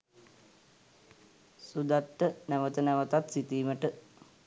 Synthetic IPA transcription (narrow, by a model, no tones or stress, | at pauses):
sud̪at̪ːənæʋət̪ənæʋət̪at̪sit̪iːməʈə